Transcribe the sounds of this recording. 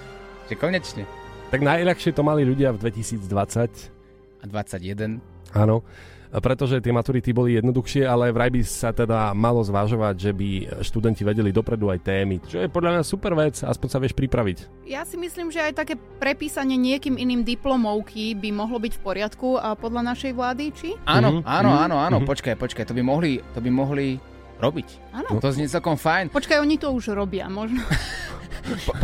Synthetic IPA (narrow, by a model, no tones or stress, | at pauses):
ʒɛkɔɲɛt͡ʃɲɛt̪aɡnajʎaxʃɪɛt̪ɔmaliʎuɟɪavd̪ʋɛcisiːd͡zd̪ʋat͡sac | ad̪ʋat͡saɟjɛd̪ɛn | aːnɔ | pɾɛt̪ɔʒɛt̪ɪɛmat̪uɾit̪ibɔlijɛd̪nɔd̪uxʃɪɛalɛʋɾajbisat̪ɛd̪amalɔzʋaʒɔʋaɟʒɛbiʃt̪ud̪ɛnciʋɛɟɛlid̪ɔpɾɛd̪uajt̪ɛːmit͡ʃɔjɛpɔd̪ʎamɲasupɛɾʋɛt͡sa̰spɔɲsaʋɪɛʃpɾipɾaʋic | jasimisliːmʒɛajt̪akɛː | pɾɛpiːsaɲɪɛɲɪɛkiːminiːmd̪iplɔmɔʊkʰibimɔɦlɔbicfpɔɾɪat̪kupɔd̪ʎanaʃɛjʋlaːd̪it͡ʃianɔaːnɔaːnɔaːnɔpɔt͡ʃkajpɔt͡ʃkajt̪ɔbimɔɦlit̪ɔbimɔɦli | ɾɔbic | aːnɔt̪ɔzɲɛt͡sɛlkɔmfajnpɔt͡ʃkajɔɲit̪ɔuʒɾɔbɪa̰mɔʒnɔ